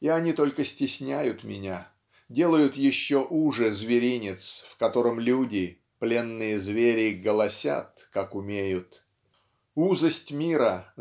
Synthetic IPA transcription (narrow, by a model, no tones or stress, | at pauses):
iɐnʲit̪o̞lʲkəsʲtʲɪsʲnʲæjʊt̪mʲɪnʲa | dʲe̞lˠəjʊt̪jɪɕːoʔuʐɨzvʲɪɾʲinʲɪt̪sfkɐt̪o̞ɾəmlʲudʲɪ | plʲe̞nːɨjəzvʲeɾʲɪɡəlˠɐsʲa̰t̪̚kakʊmʲejʊt̪ | uzəsʲtʲmʲiɾə